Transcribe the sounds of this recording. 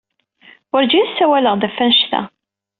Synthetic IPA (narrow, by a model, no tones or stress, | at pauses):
ʊɾd͡ʒinsːæwæləʁd̪æfænʃθæ̰